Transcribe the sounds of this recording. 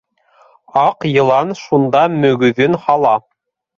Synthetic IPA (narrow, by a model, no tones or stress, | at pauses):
ɑqjɤ̆lˠɑnʃund̪ɑmɵ̆ɡɵ̆ðɵnhɑlˠɑ